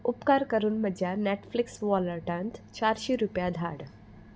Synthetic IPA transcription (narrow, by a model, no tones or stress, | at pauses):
ʊpkaɾkəɾuːnməd͡ʒjaneʈflɪksʋɔləɾʈãnt̪t͡ɕaɾʃiɾupjad̪ʱa̰ːɽ